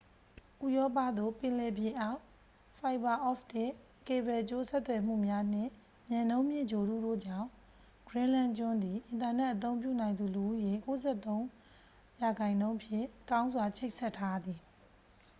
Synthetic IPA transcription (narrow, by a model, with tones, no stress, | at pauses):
ʔu˨jɔ˦pä̰˦˨d̪o̰˦˨pɪ̃˨lɛ˨bjɪ̃˨ʔa˦˨ʊ | fa˨ɪba˨ʔɔ˦˨ftɪ˦˨ʔ | ke˨bɹɛ˨t͡ɕo˦sɛ˦t̪wɛ˨m̥ṵ˦˨mja˦n̥ɪ̰̃˦˨ | mjã˨nõ˦ʊ̃mjɪ̰˦˨d͡ʑo˨ɾṵ˦˨do̰˦˨d͡ʑã˦˨ʊ̃ | ɡ̥ɹɪ̃˦lã˦˨t͡ɕʊ̃˦nd̪i˨ʔɪ̃˨nta˨nɛ˦ʔət̪̬õ˦ʊ̃mp̬jṵ˦˨nã˨ɪ̃nd̪u˨lu˨ʔu˦je˦˨ko˦zɛ˦˨t̪õ˦ʊ̃ | ja˨ɡã˨ɪ̃nõ˦ʊ̃ʔəpʰjɪ̰̃˦˨kã˦ʊ̃nzwa˨t͡ɕʰe˦ɪʔsɛ˦˨tʰːa˦d̪ði˨